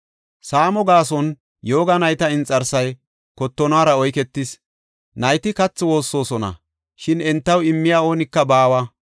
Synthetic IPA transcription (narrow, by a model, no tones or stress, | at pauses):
saːmɔɡaːsɔn | jo̞ːɡɐnɐjt̪ɐɪnt͡sʼːɐɾsɐj | kɔt̪ːɔnaːɾɐɔjkɛt̪ːɪs | nɐjt̪ɪkɐt͡sːɔwo̞ːsːo̞ːsɔnɐ̰ | ʃɪnɛnt̪ːɐwɪmːɪjaːo̞ːnɪkːɐbaːwɐ